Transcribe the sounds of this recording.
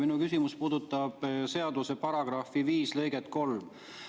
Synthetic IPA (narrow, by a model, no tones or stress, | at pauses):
minukysʲimuspuːd̪ut̪ːˑɑb̥se̞ɑd̪use̞pɑɾɑɡ̥rɑfiviːslɤ̞jɡ̥et̪ko̞lm